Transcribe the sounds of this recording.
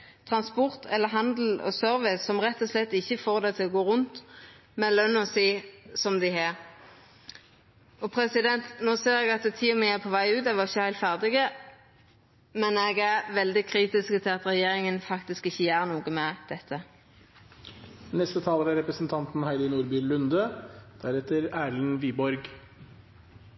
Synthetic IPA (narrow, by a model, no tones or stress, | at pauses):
t̪ʰʁɑnspɔʁt̪ʰɛlːəɦɑnd̪l̩ɔ̰sœɾʋɪsːɔmʁɛt̪ːɔslɛt̪ːɪçːəfoːʁd̪æɪt̪ʰɪlɔɡoːʁʊnt̪ | mɛlœnːɔsiːsɔmd̪ɪheːɾ | ɔpʰɾɛsɪd̪ɛnt̪noːseːɾɛɡɑt̪̚d̪ɛt̪ʰiːɔmɪæpʰɔʋæɪʉːt̪ɛʋɑʁɪçːəhæɪlt̪fæʁd̪ɪɡə | mɛnɛɡæʁʋɛld̪ɪkʰɾiːt̪ɪskət̪ʰɪlɑt̪ʁɛjeːɾɪŋənfɑkt̪ɪskɪçːəjæːʁnoːɡəmɛd̪̥ɛt̪ʰːə | nɛst̪ət̪ʰɑːləɾæɾɛpɾəsn̩t̪ʰɑnt̪n̩hæɪɾɪnuːɾbyːlʉnd̪əd̪̥æɾɛt̪əɾæːɭn̩ʋiːbɔɾɡ